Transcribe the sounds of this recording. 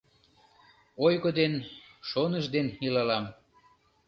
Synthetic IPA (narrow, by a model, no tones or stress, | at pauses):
ojɣod̪enʃonəʒd̪enilɑlɑm